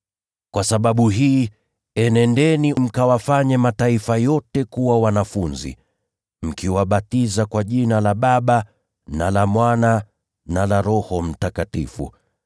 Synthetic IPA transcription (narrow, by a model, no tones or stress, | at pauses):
kwasaɓaɓuɦiː | ɛnɛndɛnim̩kawafaɲɛmataifajɔtɛkuwawanafunzḭ | m̩kiwaɓatizakwaʄinalaɓaɓa | nalamwana | nalaɾɔhɔm̩takatḭfṵ